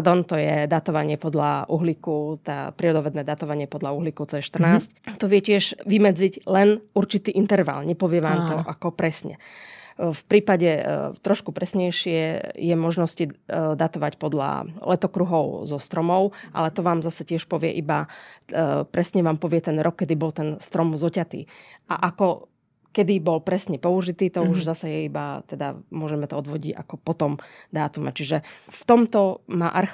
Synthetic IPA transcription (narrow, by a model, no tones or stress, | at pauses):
ad̪ɔnt̪ɔjɛd̪at̪ɔʋaɲɪɛpɔd̪la̰ʔuɦlikut̪a̰ːpɾiɔd̪ɔʋɛd̪nɛːd̪at̪ɔʋaɲɪɛpɔd̪lauɦlikɔt͡sɔjɛʃt̪r̩naːsct̪ɔʋɪɛcɪɛʒʋimɛd͡ziɟlɛnuɾt͡ʃit̪iːʔint̪ɛɾʋa̰lɲɛpɔʋɪɛʋaːmt̪ɔʔakɔpɾɛsɲɛ̰ | fpɾiːpaɟɛt̪ɾɔʃkupɾɛsɲɛjʃɪɛjɛmɔʒnɔscid̪at̪ɔʋacpɔd̪la̰lɛt̪ɔkɾuɦɔʊzɔst̪ɾɔmɔʊʔa̰lɛt̪ɔʋaːmzasɛcɪɛʃpɔʋɪɛ̰ʔiba | pɾɛsɲɛʋaːmpɔʋɪɛt̪ɛnɾɔkːɛd̪ibɔlt̪ɛnst̪ɾɔmzɔcat̪ḭːʔa̰ʔakɔ | kɛd̪ibɔlpɾɛsɲɛpɔuʒit̪iːt̪ɔuʒzasɛjɛiba̰t̪ɛd̪a̰mʊɔʒɛmɛt̪ɔɔd̪ʋɔɟiɟa̰kɔpɔt̪ɔmd̪aːt̪umɛt͡ʃiʒɛft̪ɔmt̪ɔma̰ʔaɾx